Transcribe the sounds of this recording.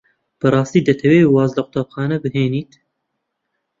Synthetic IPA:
b̥ɨrˤɑːst̪iːd̪ɐt̪ʰɐweiwɑːzlɐqʊ̥t̪apxɑːnɐbɨɦeːniːt̪

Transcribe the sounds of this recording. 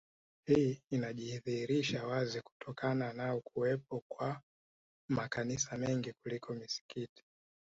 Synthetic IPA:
hiinaʄihiðiːɾiʃawaziku̥tʰɔkananaukʰuwɛp̚ɔkwa | makanisamɛŋɡikulikʰɔmisi̥kiti̥

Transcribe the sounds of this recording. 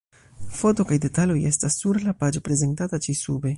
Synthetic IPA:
fo̞to̞kajde̞taloje̞stasːuɾlapad͡ʒopɾe̞ze̞ntatat͡ʃisube̞

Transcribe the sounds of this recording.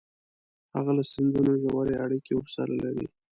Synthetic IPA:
haɣalasɪnzunoʒawaɾeaɽikewfsɑ̰lalaɾḭ

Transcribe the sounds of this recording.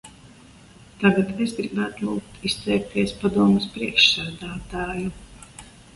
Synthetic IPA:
t̪aɡat̪esɡɾibæːt̪lˠuːk̚t̪ʰist̪sɛːk̚t̪iɛspad̪uɔmɨspɾiɛkʃsæːd̪aːt̪aːju

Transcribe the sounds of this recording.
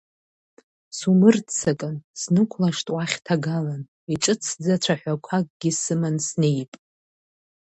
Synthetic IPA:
sumɨrdt͡sʰakʼɨnsnɨkʷʰlaʂtʼwaχʲtʰaɡalan | iʈ͡ʂʼɨt͡sʰd͡zat͡ɕʷʰaħʷakʷʰakʼɡʲisɨmansnejpʼ

